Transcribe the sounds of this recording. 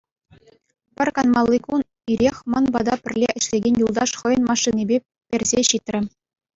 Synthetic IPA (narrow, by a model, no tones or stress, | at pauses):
pʲɘ̆rʲkɑnmɑlˠːikun | iɾʲexʲmɑnbɑd̪ɑpʲɘ̆rʲlʲeʔɘ̆ɕlʲeɡʲenʲjulˠd̪ɑʂχɤ̆jɤ̆nmɑʂːinʲebʲe | pʲerʲzʲeɕit̪rʲɘ̆